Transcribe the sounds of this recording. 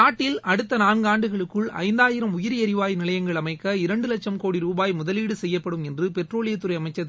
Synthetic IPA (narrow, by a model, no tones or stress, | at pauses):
naːʈːɪlɐɽɯt̪ːɐnaːnɡɯaːɳɖɯɣɐɭɯkːɯɭɐ̰ɪnd̪aːjɪɾɐmʊjɪɾiɐɾɪʋaːjnɪlɐjɐŋɡɐɭɐmɐɪkːɐɪɾɐɳɖɯlɐk̚t͡ʃːɐmkoːɽiɾuːbaːjmʊðɐliːɽɯsɛjːɐpːɐɽɯmɛndrɯpɛʈroːɭɪjɐt̪ːɯɾɐɪɐmɐɪt͡ʃːɐ